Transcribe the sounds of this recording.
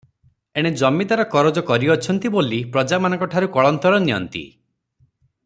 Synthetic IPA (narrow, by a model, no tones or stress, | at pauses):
eɽ̃ed͡ʒɔmit̪aɾɔkɔɾɔd͡ʒɔkɔɾiɔt͡ʃʰɔnt̪ibolipɾɔd͡ʒamanɔ̃ŋkɔʈʰaɾukɔɭɔnt̪ɔɾɔnijɔ̰nt̪ḭ